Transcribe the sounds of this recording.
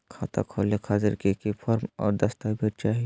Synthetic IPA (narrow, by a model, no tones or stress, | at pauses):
kʰaːt̪a̰kʰoːlekʰaːzɪɾkikipʰɔːɾmɔ̰ːɾd̪ɐst̪abʱiɾt͡ʃaːɦi